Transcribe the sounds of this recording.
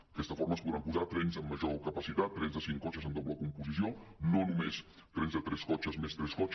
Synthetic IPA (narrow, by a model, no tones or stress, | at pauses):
kɛst̪əfoɾməspuðɾampuzaɾt̪ɾɛnzəmːəʒokəpəsit̪at̪ːɾɛnzðəsiŋkɔt͡ʃəzənd̪obləkumpuzisjononumes | t̪ɾɛnzðət̪ɾɛskɔt͡ʃəzmest̪ɾɛskɔt͡ʃ